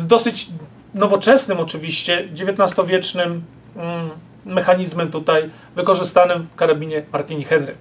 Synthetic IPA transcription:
zd̪ɔsɘt͡ɕ | nɔvɔt͡ʂɛsnɘmɔt͡ʂɘvʲiɕt͡ɕɛd͡ʑevʲjet̪nast̪ɔvʲjɛt͡ʂnɘm | ɛxaɲizmɛmt̪ut̪aj | vɘkɔʐɘst̪anɘmfkaɾabʲiɲɛmaɾt̪ʲiɲixɛnɾɘ̰k

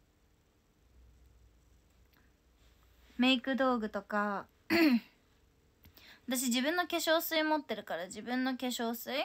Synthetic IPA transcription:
me̞ikɯ̟d̪o̞ːɡɯ̟t̪o̞ka | at̪aɕ̬id͡ʑibɯ̟̃nːo̞kʲe̞ɕo̞ːsɨimo̞t̪ːe̞ɾɯ̟kaɾad͡ʑibɯ̟̃nːo̞kʲe̞ɕo̞ːsɨi

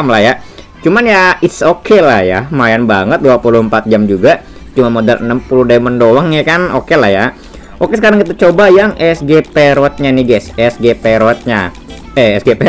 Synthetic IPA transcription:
mlahja | t͡ʃumanjaɪt̪sokʰelahjamajanbaŋət̪̚duapuluhəmpat̪̚d͡ʒamd͡ʒuɡa | t͡ʃumanmodalə̰nəmpuludaiməndowaŋjakano̰kelahja | ʔokesəkaɾaŋkit̪ut͡ʃobajaŋʔɛsɡepeɾɔt̪̚ɲaniɡɛsɛsɡepeɾɔt̪̚ɲa | ɛɛsɡepe

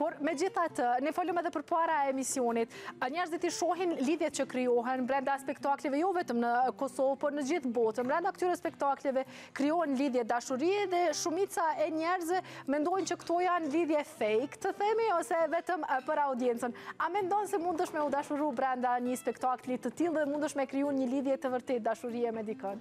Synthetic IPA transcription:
pɔɾmɛd͡ʑiθat̪ənɛfɔləmɛðɛpəɾpaɾaɛɛmisiɔnit̪əɲɛɾzit̪iʃɔɦinliðjɛt̪̚t͡ɕəkɾiɔɦɛnbɾɛnd̪aspɛkt̪aklɛvɛjɔvɛt̪əmnəkɔsɔvpɔɾnəd͡ʑiθbɔt̪ənbɾɛnd̪akət̪yɾɛspɛkt̪aklɛvɛ | kɾiɔhɛnliðjɛd̪aʃuɾiɛðɛʃumit͡saɛɲɛɾzvɛmɛnd̪ɔjnt͡ɕəkt̪ɔjanliðjɛfɛjkt̪əθɛmiɔsɛvɛt̪əmpəɾaud̪jɛnt͡sənamɛnd̪ɔnsɛmund̪əʃmɛud̪aʃuɾubɾɛnd̪aɲəspɛkt̪aklit̪ət̪ilˠðɛmund̪əʃmɛkɾijunɲəliðjɛt̪əvəɾt̪ɛt̪̚d̪aʃuɾiɛmɛd̪ikən

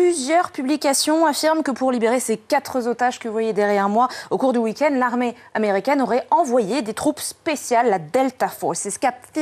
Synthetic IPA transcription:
plyzjœʁpyblikʲasjɔ̃afiʁmkəpuʁlibeʁesekat̪χəzot̪aʒkəvwajɛd̪ɛʁjɛʁmwaokuʁd̪ywikʲɛ̃nd̪laʁme | ameʁikʲɛnɔʁɛɑ̃vwajed̪et̪χupspesjalːad̪ɛlt̪afo̰sɛsə̥kap

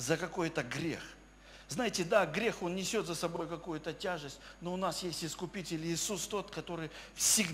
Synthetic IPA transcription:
zəkɐko̞jt̪əɡɾʲḛx | vznajɪtʲɪd̪aɡɾʲe̞xo̞nnʲɪsʲo̞t̪zəsɐbo̞jkɐkujʊt̪ətʲaʐɨsʲtʲnoʊnasjesʲtʲɪskʊpʲitʲɪlʲɪsust̪o̞t̪kɐt̪o̞ɾɨjfsʲɪɡ

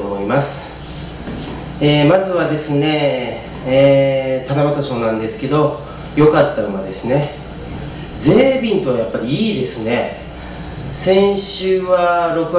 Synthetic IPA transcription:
omo̞imasɨ̥ | eːmazɨβad̪e̞sɨne̞ | t̪anamat̪aso̞ːnãnd̪e̞sɨ̥ke̞d̪o̞ | jo̞kat̪ːaɯmad̪e̞sɨne̞ | ze̞ːbʲĩnt̪o̞βajapːaɾʲiiːd̪e̞sɨne̞ | sẽ̞ɰ̃ɕɨːβaɾo̞kɯ̟

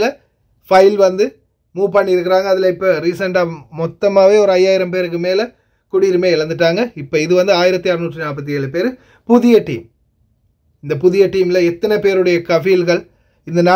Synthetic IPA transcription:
lɐ | fɐɪlʋɐnd̪ɯ | muːpɐɳːɪɪɾɯk̬ːɪɾaːŋɡɐːðɪlɐɪpːoːɾiːsɐɳʈaːmɔt̪ːɐmaːʋeːɔɾɯɐjːaːjɪɾɐmpeːɾɯk̬ːɯmeːlɐ | kʊɽiɾɯmeːɪɭɐnd̪ɯʈːaːŋɡɐɪpːoːɪðɯʋɐnd̪ɯaːjɪɾɐt̪ːiɐɾɯnuːʈrɯnaːp̬ɐt̪̬ːieːɭɯpeːɾ | pʊðɪjɐʈːḭːm | ɪnd̪ɐpʊðɪjɐʈːiːmlɐɛt̪ːɐnɐpeːɾɯɽɐjɐkɐfilɣɐɭ | ɪnd̪ɐnaː

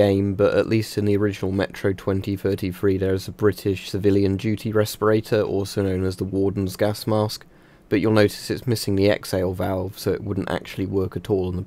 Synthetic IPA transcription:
ẽɪ̃mbʌɾə̰ʔlistɨ̃nðiəɹɪd͡ʒɨnəlˠmɛt͡ʃʰɹ̥oʊtʰw̥ɛ̃ntiθɜˑtiθɹiːðə˞ɪzəbɹɪtʰɪʃsɨvɪljɨ̃nd͡ʒʉtʰiɹɛspəɹeɪtʰə˞ʔɔ̰ˑlˠsoʊnə̃ʊ̃nəzðəwɔːdⁿn̩zɡasmɑˑsk̚ | b̥ʌt͡ʃəlˠnəʊtɪ̥sɨtsmɪsɪ̃ŋðiɛ̰kseɪlˠvalˠv̥soʊɪ̰ʔwʊdⁿn̩ta̰k̚t͡ʃʉl̩ˠiwɜˑ˞kətʰɔlˠə̃nðə

